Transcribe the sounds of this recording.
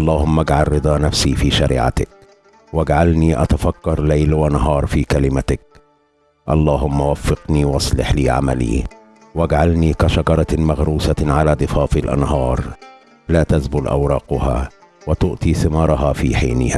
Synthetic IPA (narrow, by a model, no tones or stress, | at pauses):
ʔɑlˤːɑːhʊmːʔaɡʕalˤːɨd̪ˤɑːnafsiːfiːʃaɾḭːʕa̰t̪ɪk̚ | waɡʕalniːʔa̰t̪afakːɑɾˤlajlwanaɦɑːɾˤfiːkalɪmat̪ɪk̚ | ʔɑlˤːɑːɦʊmːawafːɪqniːwɑsˤlɪ̰ħliːʕa̰ma̰lḭː | waɡʕalniːkaʃɑɡɑɾˤɑmaɣɾuːsaʕalaːd̪ˤɨfɑːfɪlʔa̰nhɑːɾˤ | laːt̪azbʊlʔa̰wɾˤɑːqʊha̰ː | wat̪ʊʔt̪ˤiːθɪmɑːɾˤɑɦɑːfḭːħiːnɪ̰haː